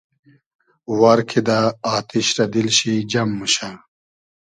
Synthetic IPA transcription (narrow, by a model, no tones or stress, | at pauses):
waɾkʰid̪aːt̪ʰiɕɾɐd̪ilɕid͡ʑɐmːuɕa